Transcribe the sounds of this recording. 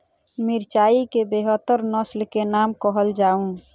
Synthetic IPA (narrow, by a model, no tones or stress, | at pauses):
mɪɾt͡ʃaːikebeɦət̪ːəɾnəslkenaːmkəɦəld͡ʒaːũ